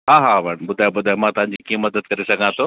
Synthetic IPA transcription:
ɦãːɦaʋəɳbʊd̪ʱaːjobʊd̪ʱaːomãːt̪ɐʋɦãɲ̆d͡ʑiːkiːə̃mɐd̪əd̪̚kɐɾesɐɡʱãt̪ʰoː

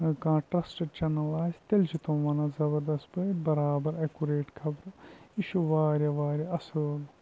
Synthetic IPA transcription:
kãːʈɾɐsʈɐɖ̚t͡ʃɐnɐlaːzt̪eld͡ʒit̪õːʋɐːnazɐbɐɾd̪ɐst̪bɐbɐɾaːbɐɾɐkuɾeːʈkʰɐbɾɨiʃuʋaːɾʲjɐʋaːɾʲjɐɐsɐl

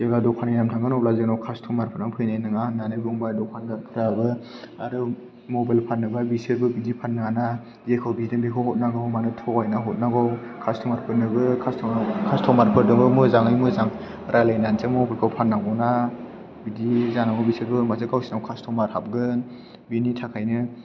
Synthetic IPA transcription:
zeɡadɔkʰanijamtʰaŋɡɯnɔblazɯknawkʰastʰɔmaɾpʰɯɾnaŋpʰɯjnajnɯŋananɯɡɯŋbajdɔkʰanɡaɾpʰɯɾabɯaɾɯ | mɔbajlpʰanɯbajbisɯɾbɯbidipʰannːaŋana | zekʰɯwbidɯnbekʰɔwɦɔt̚naɡɯwmanɯtʰɔkajnaɦɔt̚naɡɔw | kʰastʰɔmaɾpʰɯnɯbɯkʰastʰɔkʰastʰɔmaɾpʰɯdɯŋbɯmɯzaŋɯjmɯzaŋ | ɾʔalajnansʰemɔbalkʰawpʰannːaŋɔwna | bidizanaɡɔwbisɯɾbɯmazɯkawsinawkʰastʰɔmaɾhap̚ɡɯn | binitʰakʰajnɯ

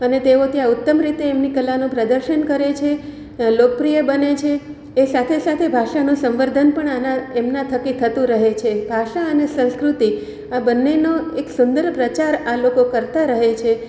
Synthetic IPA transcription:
ənet̪eot̪jaʊt̪ːəmɾit̪eːmnikəlːanũpɾəd̪əɾʃənkəɾet͡ʃʰe | lokəpɾijəbənet͡ʃʰeː | sat̪ʰesat̪ʰebʱaʃanũsə̃mʋəɾd̪ʱənpəɳanaemnat̪ʰəkit̪ʰət̪ũɾəɦet͡ʃʰebʱaʃaənesə̃nskɾut̪i | abənːenoeksʊnd̪əɾpɾət͡ʃaɾalokokəɾt̪aɾəɦet͡ʃʰe

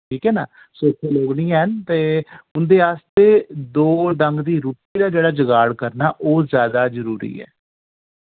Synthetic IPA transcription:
ʈʰiːkɛːnaː | soːkʰeːloːɡɽĩːaːɦənt̪eːʊnd̪eːaːst̪eːd̪oːɖəŋɡd̪iːɾuːpiːd̪aːd͡ʒeːɽaːd͡ʒəɡaːɽkəɾnaːʔoːzjaːd̪aːzəɾuːɾḭːɛ̰ː

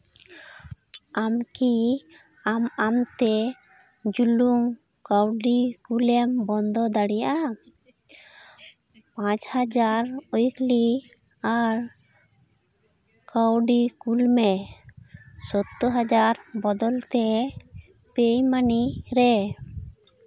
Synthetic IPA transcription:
amki | amamt̪e | d͡ʒuluŋ | kawɖikulɛmbɔnd̪ɔd̪aɽija̰ʔa | pãt͡ʃhad͡ʒaɾojkli | aɾ | kawɖikulmɛ | sɔt̪ːoɦad͡ʒaɾbɔd̪ɔlt̪e | pejmaniɾɛ

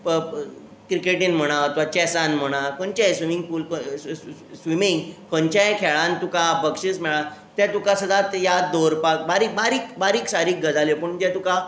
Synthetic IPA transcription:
kɾikeʈiːnm̤əɽ̃aət̪ʋat͡ɕɛsanm̤əɽ̃akənt͡ɕasʋimĩŋɡfuːlko | sʋimĩŋɡkənt͡ɕajkʰɛɭãnt̪ukapəkʂismɛɭat̪ɛt̪ukasəd̪at̪jad̪oɾpakbaɾiːk̚baɾiːkbaɾiːksaɾiːk̚ɡəd͡zaljopəɳd͡ʑɛt̪uka

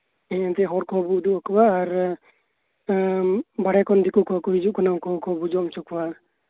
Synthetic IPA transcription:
ɛ̃ɛ̃t̪ɛɦɔɾkɔbud̪uʔɔkɔwaːɾ | baɽɛkɔnd̪ikukakɔɦid͡ʒuʔkanakɔkɔbud͡ʒɔmt͡ʃɔkɔwa

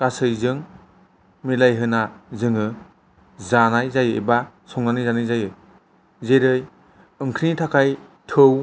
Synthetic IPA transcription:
kasɯjzɯŋ | milajɦɯnazɯŋɯ | zanajzajɯḛba | sʰɔŋnanɯjzanɯjzajɯ | zeɾɯj | ɯŋkʰnitʰakʰaj | tʰɯw

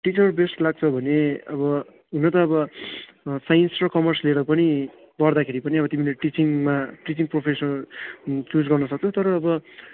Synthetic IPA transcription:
ʈit͡sʌrbesʈlaɡ̚t͡sʰʌbʱʌneʌbʌ | inʌt̪ʌːbʌ | sajnsrʌkʌmʌrsleɾʌpʌni | bʌrd̪akʰeɾipʌniʌbʌt̪imileʈit͡siŋmaʈit͡siŋpropʰesʌ | t͡sud͡zɡʌrnʌsʌk̚t͡sʰot̪ʌɾʌːbʌ

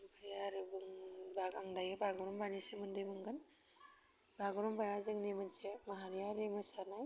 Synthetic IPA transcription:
bajaɾɯbɯŋbaɡaŋdajɯbaɡɔɾɔmbanisɯmɯndɯjmɯŋɡɯn | baɡɔɾɔmbajazɯŋnimɯnsemaɦaɾijaɾemɯsanaj

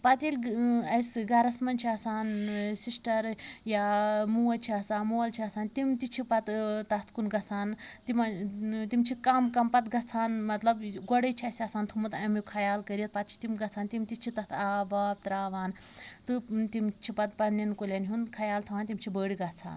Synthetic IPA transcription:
pɐt̪iːlʲɐjsɡɐɾɐsmɐnt͡ʃʰiɐsaːnsisʈɐɾjaːmuwɐlt͡ʃʰiɐsaːnmuwɐlt͡ʃʰiɐsaːnt̪imt̪it͡ʃʰipɐt̪t̪ɐt̪ʰkunɡɐt͡sʰaːnt̪imt̪imt͡ʃʰikɐmkɐmpɐt̪ɡɐt͡sʰaːnmɐt̪lɐbɡɔɽɐjt͡ʃʰɐsʲɐsaːnt̪ʰumut̪ɐmjukʰɐjaːlkɐɾiɐt̪̚pɐt̪̚t͡ʃʰi̥t̪imɡɐt͡sʰaːnt̪imt̪it͡ʃʰit̪ɐt̪ʰaːbaːb̚t̪ɾaːʋaːn | t̪ɨt̪imt͡ʃʰipɐt̪̚pɐnɐnkolʲɐnɦunkʰɐjaːlt̪ʰuʋaːnt̪imt͡ʃʰibəːɽiɡɐt͡sʰa̰ːn

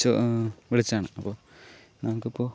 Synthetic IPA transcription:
ɨʋiɭit͡ɕːaːɳɨɐpːoː | namɐkːɨipːoː

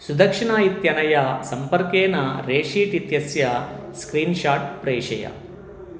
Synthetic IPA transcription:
sud̪ɐkʂiɳaːjit̪jɐnɐjɐsɐmpɐɾkeːnɐɾeːʂiːʈit̪jɐsjɐskɾiːnʃaːʈ̚pɾeːʂɐjɐ̰

